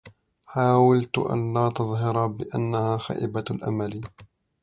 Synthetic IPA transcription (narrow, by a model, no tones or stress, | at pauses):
ħaːwalt̪ʊ̰ʔa̰nlaːt̪ɑðˤhɑɾˤɑbɪʔa̰nːahaːxa̰ːʔɪbalʔa̰mali